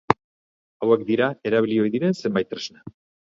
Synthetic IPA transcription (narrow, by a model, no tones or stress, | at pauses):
awe̞k̚d̪iɾae̞ɾaβ̞ilio̞jðiɾe̞nse̞mbajt̪ːɾezna